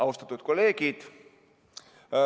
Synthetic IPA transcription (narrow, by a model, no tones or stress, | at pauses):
ɑust̪ɑt̪ːˑud̪̥̚ko̞lːe̞ːɡid̪̥